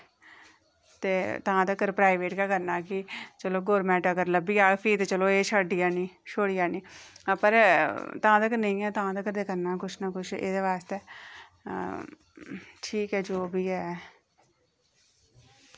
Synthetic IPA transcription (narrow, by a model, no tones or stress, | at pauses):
t̪eːt̪ãːt̪əkəɾpɾaːiʋeːʈkaːkəɾnaːkɪt͡ʃəloːɡoːɾmɛ̃ːʈakəɾləbiːaːpʰiːt̪et͡ʃəloːeːʃəɖɪjaːniːʃoːɽɪjaːniːpəɾt̪əãːt̪əkənəĩːɛːt̪əãːt̪əkəɾd̪eːkəɾnaːkʊt͡ʃʰnaːkʊt͡ʃʰḛːd̪eːʋaːst̪eː | ʈʰiːkɛːd͡ʒoːbʱiːɛː